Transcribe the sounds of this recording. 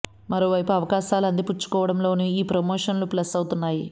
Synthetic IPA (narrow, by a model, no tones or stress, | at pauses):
mɐɾo̞ːʋɐjpuɐʋɐkaːʃaːlɐnd̪iput͡ʃːu̥kɔːʋɐɽɐmlo̞ːnuiːpɾɐmoːʂɐnluplɐsɐwut̪unːaːji